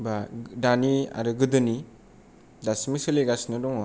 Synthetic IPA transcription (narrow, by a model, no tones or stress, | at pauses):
badania̰ɾɯɡɯdɯni | dasmisɯliɡasnɯdɔŋɔ